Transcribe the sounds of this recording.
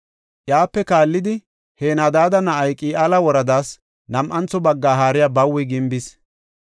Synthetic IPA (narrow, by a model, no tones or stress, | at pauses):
ʔjaːpːɛkaːlːɪd̪ɪ | heːnad̪aːd̪ɐnɐʔɐjkʼiːʔaːlɐwɔɾɐd̪aːs | nɐmʔɐnt͡sːɔbɐɡːaːɦaːɾɪjabɐwːɛɡɪmbɪs